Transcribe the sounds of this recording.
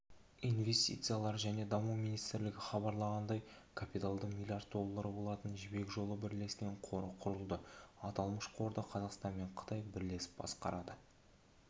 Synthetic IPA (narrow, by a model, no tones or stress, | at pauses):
inve̞st̪ḭt̪sɨjalˠɑɾʒæne̞d̪ɑmuminijst̪ɪɾlɪɡʲɪχɑβɑɾlˠɑʁɑnd̪ɑjkʰapʲit̪alˠd̪əqmʲilʲijaɾd̪̚d̪o̞lˠːaɾəbo̞lˠɑt̪ənʒɪbe̞kʒo̞lˠəbɪɾle̞skʲe̞ɴqʰoɾəqʰʊɾəlˠd̪əɑt̪ɑlˠməʃqʰo̞ɾd̪əqʰɑzɑqst̪ɑnme̞ɴqʰə̥t̪ɑjbɪɾle̞sɪ̥p̚bɑ̰sqɑ̰ɾɑd̪ə